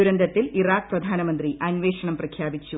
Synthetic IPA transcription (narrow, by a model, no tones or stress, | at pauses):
uɾɐnd̪ɐt̪ːiliraːk̚prɐd̪ʱaːnɐmɐnd̪riʔɐnʋeːʂɐɳɐmprɐkʰjaːbit͡ɕːu